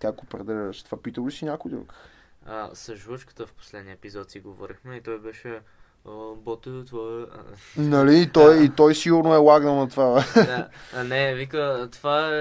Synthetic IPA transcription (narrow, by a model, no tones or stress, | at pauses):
t̪jakopɾɛd̪ɛʒəʃt̪vapit̪olisinʲakʊjd̪ɾṵk | ə̰sɐʒuvət͡ʃkə̥t̪əfpo̥slɛd̪niəɛpizɔt̪siɡovɔ̰ɾixmɛit̪ɔjbɛʃɛ | bɔt̪ut̪vɔ | nɐliːt̪ɔjit̪ɔjsiɡʊɾnoɛwaɡnənɐt̪vaa | nɛvikət̪ova